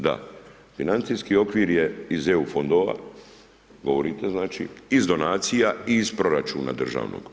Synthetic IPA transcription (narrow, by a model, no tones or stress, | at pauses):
d̪a̰ | finant̪sijskio̞kʋiɾjeizeufo̞nd̪oʋa̰ | ɡo̞ʋo̞ɾit̪e̞znaːt͡ʃḭizd̪o̞naːt̪sijaiːspɾo̞ɾat͡ʃuːna̰d̪r̩ʒa̰ːʋno̰ɡ̥